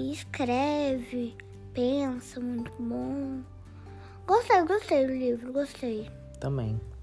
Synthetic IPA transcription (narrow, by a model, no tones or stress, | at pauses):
ɪskɾɛvɪ | pẽsɐmũj̃t̪ʊbõ | ɡost̪ejɡost̪ejd̪ʊlivɾʊɡost̪ej | t̪ɐ̃mbḛ̃j̃